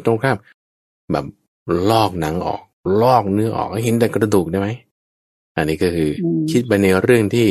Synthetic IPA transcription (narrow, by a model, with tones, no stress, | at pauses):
t̪o˧ŋkʰaː˥˩p̚ | bɛ̰ː˨˩p̚ | lɔː˥˩k̚na˩˦ŋʔɔ̰ː˨˩k̚lɔː˥˩k̚nɯ˦˥ɐʔɔ̰ː˨˩k̚a˧˥˩ɦe˨˩˦nd̪ɛː˨˩kɾa˧duː˨˩k̚daː˥˩jma˦˥j | ʔa˧nːiː˦˥kɔː˥˩kʰɯː˧kʰi˦˥t̪̚pa˧jnɯ˧ɾɯ˥˩əŋt̪ʰiː˥˩